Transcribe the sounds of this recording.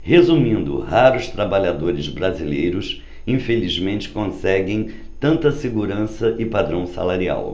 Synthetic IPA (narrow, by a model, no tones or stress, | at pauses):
hezumĩnd̪ʊ̰haɾʊst̪ɾabaʎad̪oɾɪzbɾazilejɾʊs | ĩfelizmẽnt͡ʃɪ̥kõsɛɡẽj̃ | t̪ɐ̃nt̪ɐseɡuɾɐ̃sɐʔɪpad̪ɾɐ̃w̃sa̰laɾia̰w